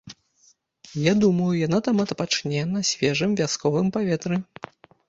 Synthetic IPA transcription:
jad̪umɐjujan̪at̪amɐt̪pat͡ʂnʲɛnɐsʲvʲɛʐɨmvʲaskɔvɨmpavʲɛt̪ɾɨ

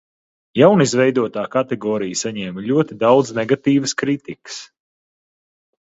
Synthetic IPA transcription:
jawnizvɛjd̪uɔt̪aːkat̪ɛɡɔːɾijsaɲɛːmʎʲuɔt̪id̪awd̪znɛɡat̪iːvəskɾit̪ikɨ̥s

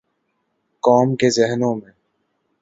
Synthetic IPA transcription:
kɔːmkezɛɦnõmẽ

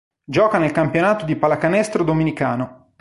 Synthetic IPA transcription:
d͡ʒɔːkanelkampjonaːt̪od̪ipalakanɛst̪ɾod̪ominikaːno

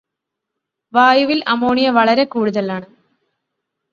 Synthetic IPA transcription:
ʋaːjuʋilɐmo̞ːɳijɐʋɐɭɐɾe̞kuːɽuðɐlaːɳɨ

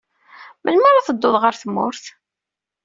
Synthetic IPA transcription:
mʔəlməɾaθəd̪ːʊðˤʁəɾθəmːʊ̰ɾθ

